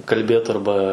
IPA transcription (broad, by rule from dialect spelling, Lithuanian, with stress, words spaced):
kɐlʲˈbʲeːt ɐrˈbɐ